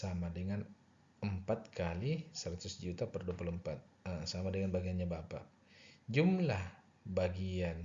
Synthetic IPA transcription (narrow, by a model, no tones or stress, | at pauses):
samadəŋan | əmpat̪̚kʰalisəɾat̪ʊsd͡ʒut̪apərduapuləmpat̪̚ | əsamadəŋanbaɡianɲabapa̰ʔ | d͡ʒumlah | baɡian